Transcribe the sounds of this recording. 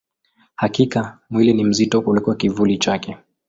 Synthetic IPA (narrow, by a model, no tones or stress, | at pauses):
hakikamwilɛnim̩zitɔʔulɛkuakivulit͡ʃakɛ